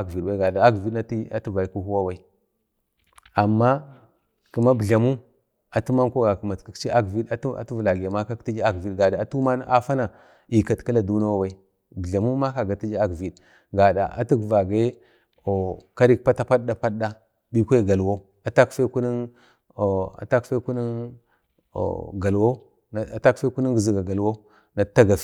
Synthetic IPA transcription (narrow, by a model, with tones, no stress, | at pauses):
a˦ɡvi˨ɗwa˦ɡa˨da˨a˦ɡvi˦dna˦ti˦a˦tu˦va˨ku˦hu˦wa˦wa˦i˦ | a˨mːa˦ | ku˨ma˦bə˨ɮa˨mu˦ | a˨tu˦ma˦ko˦ɡa˨kma˨ki˨˦t͡ʃi˦a˦ɡvi˦da˦a̰˨tu˦vla˨ɡa˨ma˦ka˦ti˦d͡ʒi˦a˦ɡvi˦dɡa˨da˨a˨tu˦ma˦n˦ʔa˦fa˦na˨ | i˨ka˨tka˦la˨du˦na˦wa˦wa˦i˦ | bi˨a˨mu˦ma˦ka˦˨ɡa˨ti˦d͡ʒi˦a˦kvi˨d | ɡa˨da̰˨ʔa̰˨tu˦ɡva˨ɡa˦ | o˨ka˦ɾi˦k̚pa˦ta˦pa˦ɗɗa˦pa˦ɗɗa˦ | bi˦kʷe˦˨ɡa˨lwo˦ | a˨ta˦kfe˦ku˦ni˦n˨ | a̰˨ta˦kfe˦ku˦ni˦n̰˨ | ɡa˨lwo˦˨ | ta˦kfe˦ku˦ni˦ŋɡzi˨ɡa˨ɡa˨lwo˦ | na˨˦tːa˦ɡa˨˦